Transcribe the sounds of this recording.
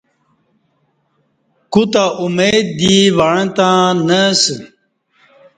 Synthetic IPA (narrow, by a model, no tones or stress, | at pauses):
kut̪aʔumeːd̪̚ːiʋaɻẽt̪ãnəs